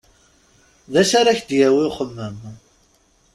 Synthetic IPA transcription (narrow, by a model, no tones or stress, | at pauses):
ðæsaɾaçd̪jæwiχəmːəm